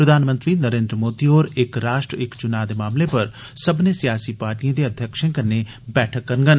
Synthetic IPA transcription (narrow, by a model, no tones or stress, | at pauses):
pɾəd̪ʱaːnmə̃nt̪ɾiːnəɾẽːnd̪ɾəmoːd̪iːɦoːɾɪkɾaːʃʈɾəɪkt͡ʃʊnaːd̪eːmaːmleːpəɾ | səbnẽːsɪjaːsiːpaːɾʈijãːd̪eːəd̪ʱjəkʃẽːkəɾneː | bɛːʈʰəkːəɾnɡən